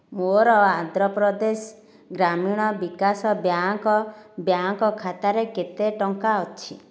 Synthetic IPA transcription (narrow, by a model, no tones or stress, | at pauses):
moɾɔand̪ʱɾɔpɾɔd̪es | ɡɾamiɽ̃ɔbikasɔbjaŋkɔbjaŋkɔkʰat̪aɾeket̪eʈɔŋkaɔt͡ʃʰi